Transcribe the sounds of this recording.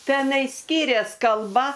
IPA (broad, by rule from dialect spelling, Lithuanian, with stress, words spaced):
ˈtʲæːnɐɪ ˈsʲkʲɪrʲɛs kɐlˠˈbɐ